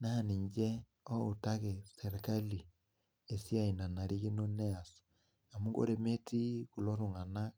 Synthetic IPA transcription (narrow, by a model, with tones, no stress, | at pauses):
na˦˨ni˨ɲd͡ʒɛ˦ | ɔ˦o˨ta˦ke˨sɛ˨ɾe˨ka˦li˨ | e˨si˦a˦˨i˨na˨na˨ɾi˦ɣi˦no˦nɛ˦a˨s | a˨mu˦ɡo̰˦ɾe˨me˦ti˦ku˨lɔ˦ɾu˨ŋa˨na˦